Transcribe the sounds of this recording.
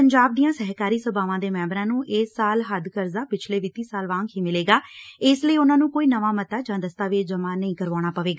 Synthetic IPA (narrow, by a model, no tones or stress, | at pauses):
əɲd͡ʒaːb̚d̪iːãːsɛɦkaːɾiːsəbaːʋãːd̪eːmɛ̃ːbɾãːnũːʔeːsːaːlɦəd̪kəɾzaːpɪt͡ʃʰleːʋiːt̪ĩːsaːlʋãːŋkɦiːmɪleːɡaːɪsləiːʊnãːnũːkoːiːnəʋaːmət̪aːd͡ʒãːd̪əst̪aːʋid͡ʒəmaːnəĩːkəɾʋaːɽ̃aːpəʋeːɡaː